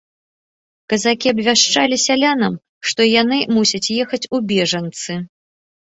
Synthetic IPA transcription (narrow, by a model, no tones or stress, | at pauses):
kɐzakʲiɐbvʲaʂt͡ʂalʲisʲalʲanɐm | ʂt̪ɔjanɨmusʲɐt͡sʲjɛxɐt͡sʲubʲɛʐɐnt̪sɨ